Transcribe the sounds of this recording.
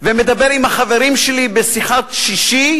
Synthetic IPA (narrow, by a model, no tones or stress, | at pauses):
vemed̪abeʁimhaχaveɾimʃelibesiχaʃiʃi